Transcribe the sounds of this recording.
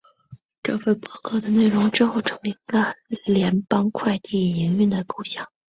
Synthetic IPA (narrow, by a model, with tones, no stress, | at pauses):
ʈ͡ʂɤ˥˧fe˥˩ɪpɑ˥˩kʰɤ˥˩d̪ə˩˨ne˥˩ɪɻʊ˧˥ŋʈ͡ʂɻ̩˥xo˥˩ʊʈ͡ʂʰɤ˧˥ŋli˧˩˧lə˧˩ljɛ˧˥npɑ˥ŋkʰwa˥˧ɪt̪i˥˩i˧˥ny˥˩nd̪ə˩ku˥˧ɕjɑ˥˩ŋ